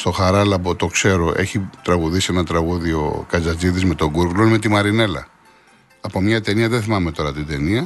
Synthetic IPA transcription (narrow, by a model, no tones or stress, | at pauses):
st̪o̞xɐɾɐlɐbot̪o̞kse̞ɾo̞ʔe̞̰çit̪ɾɐɣuðisienɐt̪ɾɐɣuðio̞̰kɐzɐziðizme̞t̪o̞ɡuɾɡlome̞t̪imɐɾine̞lɐ̰ː | po̞mɲɐt̪e̞niɐðeθimɐme̞t̪o̞ɾɐt̪id̪e̞niɐ